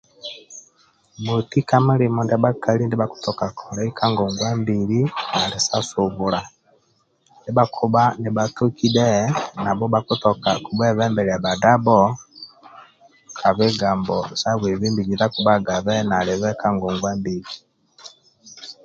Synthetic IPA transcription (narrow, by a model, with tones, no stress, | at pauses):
mu˨ti˦ka˦mu˦li˨mɔ˨nda˦ba˦ka˨li˦ndi˦baku̥˦tɔ˨ka˨kʰɔ˨ɾa˨i˦kʰa˦ŋɡɔ˨ŋɡwa˦mbi˨li˦na˨li˨sa˦su˨βu˨la˨ | ndi˦ba˦kʰu˦ba˦ni˨ba˦tu˦ki˦dɛ˦na˨bɔ˦ba˨ku˦tɔ˨ka˨ku˨bɛ˦βɛ˦mbɛ˨ɾɛ˨a˨ba˨da˦bɔ˦ | kʰa˨βɛ˦ɡa˨mbɔ˨sa˦βe˨βi˦mbi˨ɡi˨nda˦ku˨ba˦ɡa˨βɛ˦na˨li˨βɛ˦ka˦ŋɡɔ˨ŋɡwa˦mbi˨li